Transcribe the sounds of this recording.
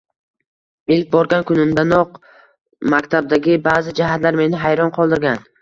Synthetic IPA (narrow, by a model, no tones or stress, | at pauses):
ɪlk̚ʲbɒɾɡʲankʰʊnɪmd̪anɒq | makʲt̪ʰab̚d̪aɡʲɪbaːzɪd͡ʒaɦat̪laɾme̞nɪɦajɾɒnqʰɒlˠd̪ɪɾɡʲan